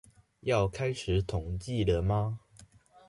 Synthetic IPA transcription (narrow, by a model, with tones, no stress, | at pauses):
jɑ˥˨ʊkʰa˥ɪʂɻ̩˨˩˦t̪ʰʊ˨˩ŋt͡ɕi˥˩d̪ə˩ma˦